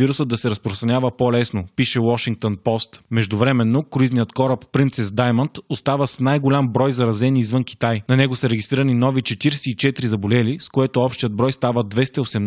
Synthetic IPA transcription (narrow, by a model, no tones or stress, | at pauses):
iɾusəd̪ɐsɛɾɐspɾost̪ɾɐnʲavəpolɛsnopiʃɛwɔʃiŋk̚t̪onpɔst̪mɛʒd̪ʊvɾɛmɛnːokɾʊiznijət̪kɔɾɐpːɾint̪sɛsd̪ajmɐnt̪ost̪avəsnajɡolʲambɾɔjzɐɾɐzɛnizvənkʲi̥t̪ajnɐnɛɡosəɾɛɡʲist̪ɾiɾɐəninɔvit͡ʃɛt̪iɾsɛit͡ʃɛt̪ɾizɐbolɛliskoɛt̪oɔpʃt̪ijəd̪̚bɾɔjst̪avəd̪vɛst̪ɐiosɛm